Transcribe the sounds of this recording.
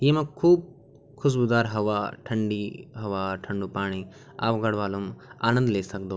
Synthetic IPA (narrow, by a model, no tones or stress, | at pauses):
jeːmɐkʰːuːb̚ | kʰus̬bud̪aːɾɦɐʋaːʈʰɐɳɖiɦɐʋaːʈʰɐɳɖupaːɽ̃i | a̰ːpɡɐɽʋaːluma̰ːnɐ̃nd̪leːsɐk̚d̪o